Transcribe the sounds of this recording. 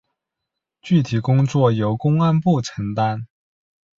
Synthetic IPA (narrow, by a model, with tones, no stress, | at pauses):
t͡ɕy˥˩t̪ʰi˨˩kʊ˥ŋt͡swɔ˥˩jo˧˥ʊkʊ˥ŋa˥npu˥˩ʈ͡ʂʰɤ˧˥ŋt̪a˥n